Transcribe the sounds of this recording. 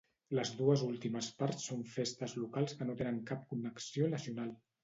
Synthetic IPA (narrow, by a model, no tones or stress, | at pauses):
ləzðuəzulˠt̪iməspaɾsːoɱfest̪əzlukalˠskənot̪enəŋkap̚kunəksionəziunalˠ